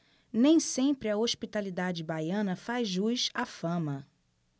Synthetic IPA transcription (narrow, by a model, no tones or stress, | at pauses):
nẽj̃sẽmpɾɪɐoʃpit̪alid̪ad͡ʒɪbajɐ̃nɐfazʒujʃafɐ̃mɐ